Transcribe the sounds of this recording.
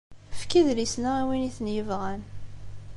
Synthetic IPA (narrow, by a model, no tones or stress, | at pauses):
əfkiðlisnaæwiniθnjəvʁæn